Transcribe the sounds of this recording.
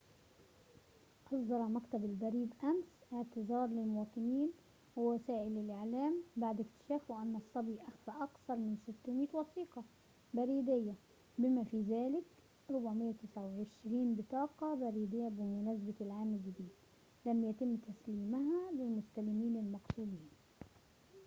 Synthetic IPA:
ʔɑsˤd̪ɑɾˤɑmakt̪abɪlbaɾiːb̪ʔamsʔɪʕt̪ɪzɑːɾˤlɪlmʊwɑːt̪ˤɨniːn | wawasaːʔɪlːɪlʔɪʕlaːmbaʕd̪ɪkt̪ɪ̥ʃaːfwɪʔanːɑsˤːɑbiʔaxfaʔɑkθɑɾˤmɪnsɪt̪ːʊmiːt̪wɑsiːqɑ | baɾiːd̪ɪjːa | bɪmafizaːlɪk | ɾˤʊbʕmɪjːat̪ɪsʕawʕɪʃɾiːnbɪt̪ˤɑːqɑbaɾiːd̪ɪjːabɪmʊnasbat̪ɪlʕaːmɪlɡɪd̪iːd̪ | lamjat̪ɪmːt̪asliːmaɦalɪlmʊst̪alɪmiːnɪlmɑqsuːd̪iːn

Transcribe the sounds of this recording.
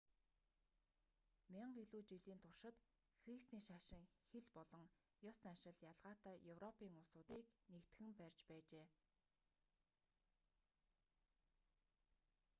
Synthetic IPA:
maɴɢiɮuːt͡ɕiɮiːnt̪ʰʊrʃɪ̆t̪ | xrist̪iːʃaʃɪ̆ŋxeɮpɔɮɞ̆ŋ | jɔsanʃɪ̆ɮjaɮʁaːt̪aːjɵwrɔpiːŋʊsʊːt̪iːknekt̪xɘ̆mpærʲt͡ɕpæːt͡ɕeː

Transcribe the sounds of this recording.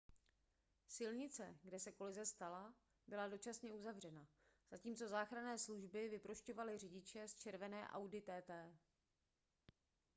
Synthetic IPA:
sɪlɲɪt͡sɛɡdɛsɛko̞lɪzɛst̪ala | bɪlado̞t͡ʃasɲɛuzavr̝ɛna | z̥aciːmt͡so̞zaːxɾanɛːsluʒbɪvɪpɾo̞ʃco̞valɪr̝ɪɟɪt͡ʃɛst͡ʃɛɾvɛnɛːʔa̰wdɪt̪ɛːt̪ɛː

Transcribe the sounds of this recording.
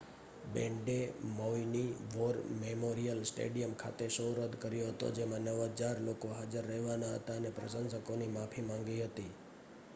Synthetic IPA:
bɛ̃ɳɖemoiniʋoɾmemoɾijəlsʈḛɖijəmkʰa̰t̪eʃoɾəd̪kəɾjoɦət̪o̰d͡ʒemãnəʋad͡ʒaɾlokoɦad͡ʒəɾːəɦʋanaɦə̰t̪aənepɾəʃənsəkonimapʰimãŋɡiɦət̪i

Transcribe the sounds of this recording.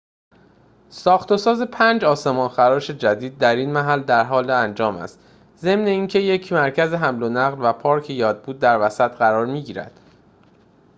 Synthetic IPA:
sɒːxt̪ʰosɒːze̞pʰænd͡ʒɒːse̞mɒːnxæɾɒːʃe̞d͡ʒæd̪iːd̪̚ːæɾiːnmæɦæld̪æɾɦɒːleænd͡ʒɒːmæ̰st̪ | ze̞mne̞iːncʰe̞je̞cʰmæɾcʰæzeɦæmlonæɣlvæpʰɒːɾcʰejɒːd̪̚buːd̪̚ːæɾvæsæt̪ɢæɾɒːɾmiːɟiːɾæ̰d̪̥

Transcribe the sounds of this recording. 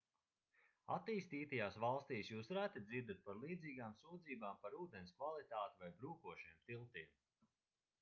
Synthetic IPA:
a̰t̪iːst̪iːt̪ajaːsvalˠst̪iːsjuːsɾæt̪id̪ziɾd̪at̪̚paɾlˠiːd̪ziːɡaːmsuːd̪ziːbaːmpaɾuːd̪enʲskvalˠit̪aːt̪ivajbɾuːkuɔʃiɛmt̪ilˠt̪iɛm

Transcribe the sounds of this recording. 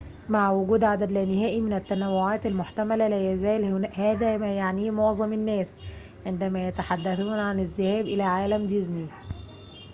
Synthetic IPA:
maʕwʊɡuːd̪ʕad̪æd̪lɪnːɪɦæːʔimɪnæt̪ːænæwːʊʕaːt̪almʊħt̪æmælælæjæzæːlhhæːðæmæjaʕniːmoʕzˤɑmɪnːæːs | ʕɪnd̪æmæjæt̪aħad̪ːæθuːnʕanɪzːɪhæːbʔɪlæʕaːlæmd̪ɪzmi

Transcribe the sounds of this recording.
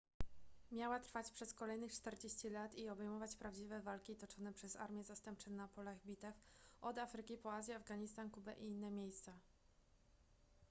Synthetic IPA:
mʲjawat̪ɾfat͡ɕʲpʂɛskɔlɛjnɘt͡ʂt̪ɛɾd͡ʑeɕt͡ɕilat̪iɔbɛjmɔvat͡ɕpɾavd͡ʑivɛvalkʲit̪ɔt͡ʂɔnɛpʂɛza̰ɾmʲjɛzast̪ɛmp̚t͡ʂɘnapɔlaɣbʲit̪ɛfʔɔd̪afɾɘkʲipɔazʲjɛavɡaɲist̪ankubɛʔiinːɛmʲjejst̪sa

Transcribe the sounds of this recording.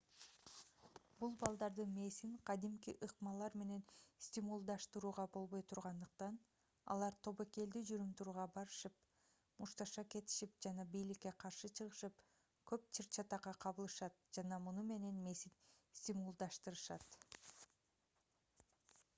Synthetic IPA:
bulˠbɑlˠd̪ɑɾd̪ɯme̞siŋqʰɑd̪imkiʔɯqmɑlˠɑɾme̞ne̞nsʲt̪ʲimulˠd̪ɑʃt̪ɯɾuːʁɑbo̞lˠβo̞jt̪ʰuɾʁɑnd̪ɯq̚t̪ɑn | ɑ̰lˠɑɾt̪ʰo̞βoke̞ld̪yd͡ʒyɾymt̪uɾuːʁɑbɑɾɯʃɯp̚ | muʃt̪ɑʃɑke̞t̪i̥ʃip̚d͡ʒɑnɑbijlikːe̞qʰɑɾʃɯt͡ʃʰɯʁɯʃɯp̚ | kʰøp̚t͡ʃʰiɾt͡ʃʰɑt̪ɑqɑqʰɑβɯlˠɯʃɑt̪̚d͡ʒɑnɑmunume̞ne̞nme̞sinsʲt̪ʲimulˠd̪ɑʃt̪ɯɾɯʃɑt̪

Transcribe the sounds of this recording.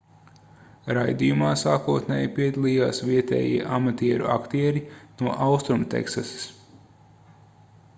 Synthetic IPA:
ɾajd̪ijumaːsaːkuət̪nʲɛːjipiɛd̪alˠijaːsviɛt̪ɛ̰ːjḭɛʔamat̪iɛɾṵʔa̰kt̪iɛɾinuɔʔawst̪ɾumt̪ɛ̰ksasi̥s

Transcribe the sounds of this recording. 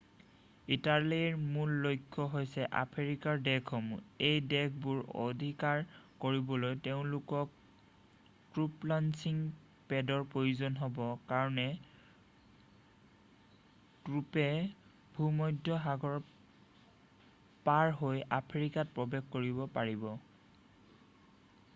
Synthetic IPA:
italiɹmulːojkʰːɔɦojsɛʔa̰pʰeɹikaɹdɛkʰɔmṵejdɛk̚ʰbuɹo̰d̪ʱikaɹkoɹibɔlojteʊ̃lukɔk̚ | tɹuplansiŋ | pɛdɔɹpɹojuzɔnɦɔbɔkaɹɔnɛ | kɹupɛ | bʱumɔjdʱɔɦaɡɔɹ | paɹɦojapʰeɹikat̚pɹɔbɛkkoɹibɔpaɹibɔ

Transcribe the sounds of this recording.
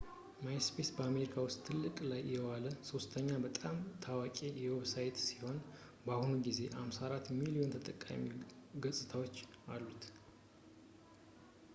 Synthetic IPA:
majspʰesbəameɾikʰawʊst̪ʼt̪ʰːɨlːɨkʼlajːɛwaləso̞st̪ʰəɲːabət̪ʼamt̪ʰawakʼijɛwɛβsajt̪siho̞n | bahunuɡize̞ʔamsaɾat̪milio̞nt̪ʰət̪ʼəkʼːa̰miɡəsʼɨt̪ʰawo̞t͡ʃːalːut̪

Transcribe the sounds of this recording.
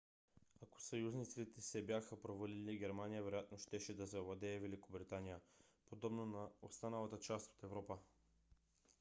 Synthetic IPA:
ako̥sɐjuznit̪sit̪ɛsɛbjaxəpɾovɐliliɡʲɛɾmanijəvɛɾojat̪noʃt̪ɛʃɛd̪ɐzɛvlˠɐd̪ɛːvɛlikobɾit̪anijəpod̪ɔbnonɐost̪anəlˠɐt̪ət͡ʃast̪o̥t̪ɛvɾɔpə

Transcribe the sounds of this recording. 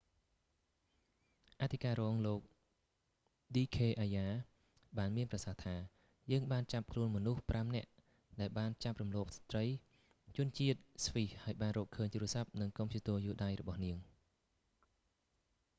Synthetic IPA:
ʔat̪ʰikaːɾɔːŋloːk̚ | ɗiːkʰeːʔaːjaː | ɓaːnmiənprɑsaht̪ʰaː | jəːŋɓaːnt͡ɕap̚kʰluənmɔnuhprʔamnɛ̆əʔ | ɗaɛlɓaːnt͡ɕap̚rumlɔːp̚sḁt̪rəj | t͡ɕʊ̆ənt͡ɕiət̪̚sʋihhaəjɓaːnrɔːkʰəːɲt̪uːrəsap̚nɨŋkompʰjiət̪uəjuːɗaːjrɔɓɑhniəŋ

